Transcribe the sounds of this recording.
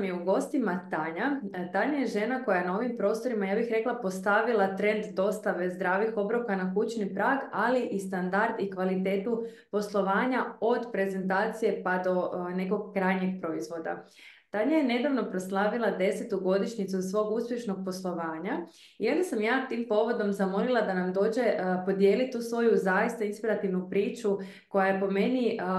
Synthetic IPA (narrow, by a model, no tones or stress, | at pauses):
mjeuɡo̞st̪imat̪aɲat̪aɲaje̞ʒe̞nako̞jajenao̞ʋimpɾo̞ːst̪o̞ɾimajaːbixɾe̞klˠapo̞st̪aʋilˠat̪ɾe̞nd̪d̪o̞st̪aʋe̞zd̪ɾaːʋixo̞bɾokanakut͡ɕnipɾaːɡaliʔist̪and̪aɾd̪ikʋalit̪e̞ːt̪u | po̞slˠo̞ʋaːɲao̞d̪pɾe̞ze̞nt̪aːt̪sije̞pad̪o̞ne̞ko̞ɡkːɾajɲeɡ̚pɾo̞izʋo̞d̪a̰ | t̪aɲajene̞d̪aʋno̞pɾo̞slˠaːʋilˠad̪e̞set̪uɡo̞d̪iʃɲit̪susʋo̞ːɡuspje̞ʃnoɡ̥̚po̞slˠo̞ʋaːɲa | io̞nd̪asamjaːt̪iːmpo̞ʋo̞d̪o̞mzamo̞lilˠad̪anamd̪o̞ːd͡ʑe̞po̞d̪je̞ːlit̪uːsʋo̞juzajist̪ainspiɾat̪iʋnupɾiːt͡ʃu | ko̞jajepo̞me̞ni